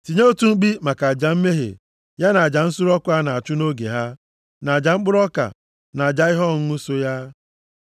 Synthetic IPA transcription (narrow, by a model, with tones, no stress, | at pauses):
ti˨ɲo˦o˦tu˦ŋ͡m̩˦k͡pi˦ma˨ka˨a˨d͡ʒa˨m̩˦me˦ɦḛ˨ | ja˦na˨a˨d͡ʒa˨n̩˦sʊ˦ɾɔ˦kʷʊ˦a˦na˨a˨t͡ʃʊ˦no˦ɡḛ˨ɦa˦ | na˨a˨d͡ʒa˨ŋ͡m̩˦k͡pʊ˦ɾɔ˦ka̰˨ | na˨a˨d͡ʒa˦i˦ɦɔ˦˨ŋ̩˦u˦so˦ja˦